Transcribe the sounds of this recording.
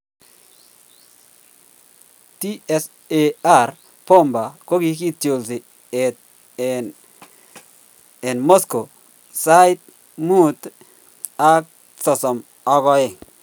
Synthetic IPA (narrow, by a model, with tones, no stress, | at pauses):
ti˦ɛ˦s | ea˦˨ɾ | pɔ˦mba˨ko˦ki˦ki˦tjo˨lti˨ | t | e˨nmo˦sko˨ | sa˦ɪ˦t̚ | mu˦t̪ | a˦k̚ | tɔ˨sɔ˨m | ɔ˧ɣɔ˦ɪ˨